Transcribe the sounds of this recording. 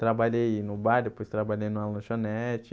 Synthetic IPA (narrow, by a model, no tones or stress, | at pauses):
t̪ɾabaʎejjnʊbaɾd̪epojst̪ɾabaʎejnʊ̃alɐ̃nʊʃonɛt͡ʃɪ